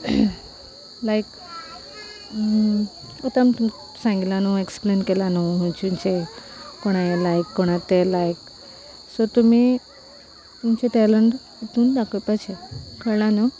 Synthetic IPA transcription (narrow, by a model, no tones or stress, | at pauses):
lajk | ɔt̪amt̪u | sãŋɡit̪lanueksplenkelanoɦũt͡ɕumt͡ɕekoɽ̃ajelajkːoɽ̃at̪elajk | sɔt̪um̤i | t̪umt͡ɕeʈɛləɳʈ | it̪uːnd̪akʰəpat͡ɕʰekʰəɾlano